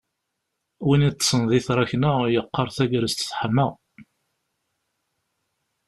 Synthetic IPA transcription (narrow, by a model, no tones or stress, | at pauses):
winit͡s̪ːsənðiθɾˤɑçnəjəqːɑɾˤθæɡɾəst̪θħəmːəʁ